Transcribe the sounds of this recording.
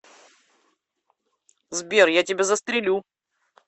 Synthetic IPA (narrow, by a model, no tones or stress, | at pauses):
zbʲerjatʲɪbʲezəst̪ɾʲɪlʲu